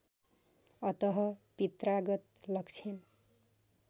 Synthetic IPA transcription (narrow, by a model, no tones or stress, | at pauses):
ʌt̪ʌɦʌpit̪raɡʌt̪lʌkt͡sʰin